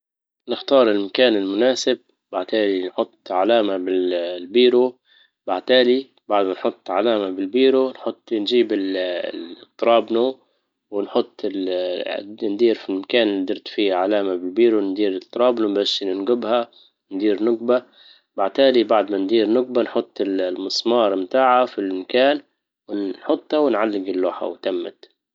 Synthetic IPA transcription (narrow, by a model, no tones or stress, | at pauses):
nɪxt̪ɑːɾˤɪlmakaːnɪlmʊnaːsɪb̚ | baʕt̪aːlinħʊt̪ˤːʕalaːmabɪllbiːɾu | baʕt̪aːli | baʕd̪manħʊt̪ˤːʕalaːmabɪlbiːɾunħʊt̪ˤːnʒiːbɪl | t̪ˤːɾˤɑːbnu | wɪnħʊt̪ˤːɪl | nd̪iːɾfilmakaːnd̪ɪɾt̪fiːhaʕalaːmabɪlbiːɾund̪iːɾɪt̪ˤːɨɾˤɑːbnubaʃnɪnɡʊbha | nd̪iːɾnʊɡba | baʕt̪aːlibaʕd̪mand̪iːɾnʊɡ̚banħʊt̪ˤːɪllmɨsˤmɑːɾˤɪmt̪aːʕafilmakaːn | wɪħʊt̪ˤːhawɪnʕalːɪɡɪlːoːħa̰wt̪amːa̰t̪